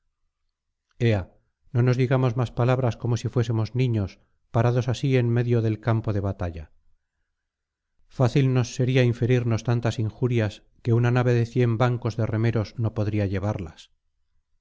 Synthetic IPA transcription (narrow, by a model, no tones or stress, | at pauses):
e̞a | no̞no̞zðiɣamo̞zmaspalaβɾasko̞mo̞sifwe̞semo̞znĩɲo̞s | paɾaðo̞sasie̞nme̞ðjo̞ðe̞lkampo̞ðe̞βat̪aʎa̰ | faθilno̞sːe̞ɾiaiɱfe̞ɾiɾno̞st̪ant̪asiŋxuɾjas | ke̞unanaβe̞ðe̞θje̞mbaŋko̞zðe̞re̞me̞ɾo̞zno̞po̞ðɾiaʎe̞β̞aɾlas